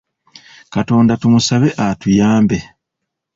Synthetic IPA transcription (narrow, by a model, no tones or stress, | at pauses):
kato̞ːndatumusaβe̞ʔatujaːmbe̞